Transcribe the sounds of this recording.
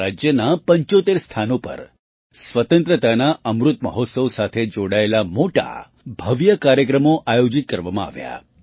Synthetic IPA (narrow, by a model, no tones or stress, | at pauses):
ad͡ʒjənapəɲt͡ʃot̪eɾst̪ʰanopə̰ɾ | sʋət̪ənt̪ɾət̪anaəmɾut̪mə̰ɦot̪səʋsat̪ʰed͡ʒoɽaelamoʈa̰ | bʱəʋjəkaɾjəkɾəmoʔajod͡ʒit̪̚kəɾʋamãa̰ʋja̰